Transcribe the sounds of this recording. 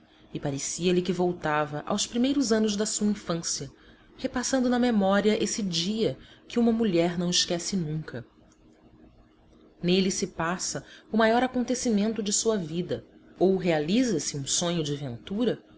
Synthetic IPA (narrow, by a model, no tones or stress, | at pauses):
ɪpaɾesiɐlɪkɪvowt̪avɐʔa̰wspɾimejɾʊzɐ̃nʊzd̪ɐsuɐĩfɐ̃siɐ | hepasɐ̃nd̪ʊnɐmemɔɾiɐʔesɪd͡ʒiɐkɪũmɐmuʎɛɾnɐ̃w̃ɪʃkɛsɪnũkɐ | nelɪsɪpasɐʊmajɔɾakõnt̪esimẽnt̪ʊd͡ʒɪsuɐvid̪ɐowɦealizɐsɪũsõɲʊd͡ʒɪvẽnt̪uɾɐ